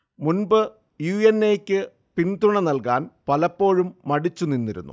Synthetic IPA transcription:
munbɨ | juːjenːejkʲːɨ | pind̪uɳɐnɐlkaːnpɐlɐpːo̞ːɻumːɐɽit͡ɕːuninːiɾṵnːṵ

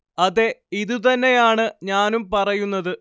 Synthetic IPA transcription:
ɐðe̞iðɨt̪ɐnːe̞jaːɳɨɲaːnumpɐrɐjunːɐðɨ

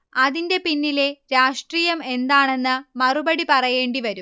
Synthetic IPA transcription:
ɐðinde̞pinːile̞ɾaːʂʈriːjɐme̞nd̪aːɳe̞nːɨmɐrubɐɽipɐrɐje̞ːɳɖiʋɐɾum

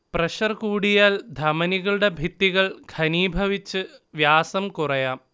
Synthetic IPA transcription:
prɐɕɐrkuːɽijaːld̪ʱɐmɐniɣɐɭuɽe̞bʱit̪ːiɣɐɭɡʰʱɐniːbʱɐʋit͡ɕːɨʋjaːsɐmkurɐjaːm

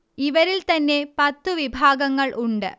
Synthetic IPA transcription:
iʋɐɾilt̪ɐnːe̞pɐt̪ːuʋibʱaːɡɐŋːɐɭʔuɳɖɨ̰

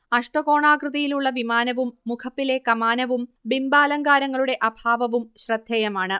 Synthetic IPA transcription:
ɐʂʈɐɣo̞ːɳaːkrɨðɐjiluɭːɐʋimaːnɐʋumːukʰɐpːile̞kɐmaːnɐʋumbimbaːlɐŋɡaːɾɐŋːɐɭuɽe̞ʔɐbʱaːʋɐʋumɕrɐd̪ʱjɐjɐmaːɳɨ

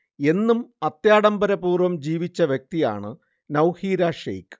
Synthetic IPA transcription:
e̞nːumɐt̪jaːɽɐmbɐɾɐpuːrʋɐmd͡ʑiːʋit͡ɕːɐʋjɐk̚t̪ija̰ːɳɨ | nɐwhiːɾaːʂḛjk

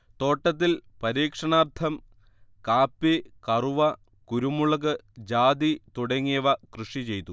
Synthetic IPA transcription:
t̪oːʈːɐt̪̬ːilpɐɾiːkʂɐɳaːrt̪ʰɐm | kaːpːikɐruʋɐ | kuɾumuɭɐɣɨd͡ʑaːd̪it̪uɽɐŋːijɐʋɐkrɨʂit͡ɕe̞jt̪u

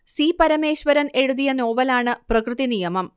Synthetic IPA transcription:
siːpɐɾɐme̞ːɕʋɐɾɐne̞ɻuðijɐno̞ːʋɐlaːɳɨprɐkrɨðinijɐmɐm

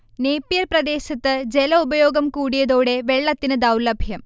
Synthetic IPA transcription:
neːpːijɐɾprɐd̪e̞ːɕɐt̪ːɨd͡ʑelɐubɐjoːɡɐmkuːɽijɐðoːɽe̞ʋeɭːɐt̪ːinɨd̪ɐwlɐbʱjɐm

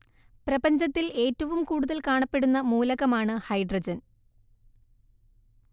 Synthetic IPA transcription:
prɐbɐɲd͡ʑɐt̪ːile̞ːtːɐʋumkuːɽuðɐlkaːɳɐpːe̞ɽunːɐmuːlɐɣɐmaːɳɨhɐjɖrɐd͡ʑɐn

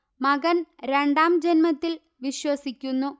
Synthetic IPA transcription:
mɐɡɐnɾe̞ɳɖaːmd͡ʑenmɐt̪ːil | ʋiɕwɐsikʲːunːu

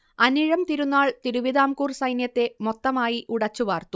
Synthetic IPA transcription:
ɐniɻɐmt̪iɾunːaːɭt̪iɾuʋiðaːmkuːrsɐjnjɐt̪ːe̞mo̞t̪ːɐmaːjiʔuɽɐt͡ɕːuʋaːrt̪u

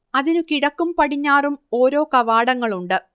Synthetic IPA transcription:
ɐðinukiɽɐkːumpɐɽiɲːaːrumo̞ːɾo̞ːkɐʋaːɽɐŋːɐɭuɳɖɨ

